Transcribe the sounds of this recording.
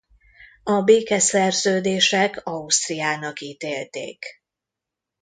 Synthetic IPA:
ɒbeːkɛsɛrzøːd̪eːʃɛkɒust̪rijaːnɒkiːt̪eːlt̪ḛːk

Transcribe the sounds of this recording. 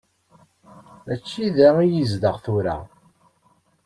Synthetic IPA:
mæt͡ʃːiðæijizd̪əʁθuɾa̰

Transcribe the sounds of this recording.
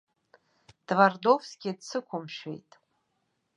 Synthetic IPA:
d̥vardovsɡʲidsɨkʷʰʊmʃḛjtʼ

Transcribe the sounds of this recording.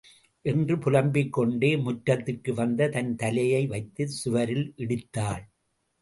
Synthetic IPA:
ʔɛndrɯpʊlɐmbɪkːɔɳɖeːmʊʈɾɐt̪ːɪrkɯʋɐnd̪ɐt̪ɐnt̪ɐlɐjɐɪʋɐɪt̪ːɯsʊʋɐɾɪlʔɪɽɪt̪ːaːɭ

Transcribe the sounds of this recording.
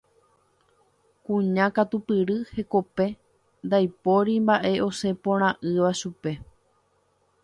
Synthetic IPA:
kũɲãkat̪upɨɾɨhe̞ko̞pe̞ | nd̪ajpo̞ɾimbaʔe̞ʔo̞se̞põɾ̃ãʔɨʋaʃupe̞

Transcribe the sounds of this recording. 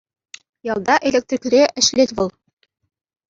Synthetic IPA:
jɑlˠd̪ɑʔelʲek̚t̪rʲikɾʲeʔɘ̆ʃlʲet̪ʲβɤ̆lˠ

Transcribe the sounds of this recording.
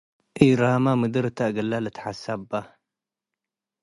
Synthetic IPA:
ʔiːɾaːmamɨd̪ɨɾt̪aʔɡalːalat̪ħasabːa

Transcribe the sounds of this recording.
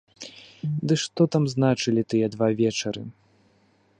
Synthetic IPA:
d̪ɨʂt̪ɔt̪amznat͡ʂɨlʲit̪ɨjɛd̪vavʲɛt͡ʂɐɾɨ̰

